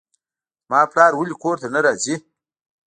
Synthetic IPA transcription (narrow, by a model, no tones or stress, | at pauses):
maːplaːɾwulikoːɾt̪anaɾazi